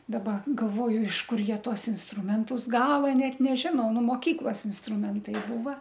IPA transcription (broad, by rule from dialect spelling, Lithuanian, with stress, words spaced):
dɐˈbɐ ɡɐlˠˈʋoːjʊ ɪʃ ˈkʊr ˈjiɛ ˈtuɔs ɪnsˈtrʊmʲɛntʊs ˈɡɑːʋɐ ˈnʲɛt nʲɛˈʒʲɪnɐʊ ˈnʊ moːˈkʲiːklˠɐs ɪnsˈtrʊmʲɛntɐɪ ˈbuːʋɐ